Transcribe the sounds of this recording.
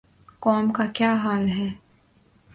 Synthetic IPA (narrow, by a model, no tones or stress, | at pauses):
kɔːmkakjaːɦaːlɦɛː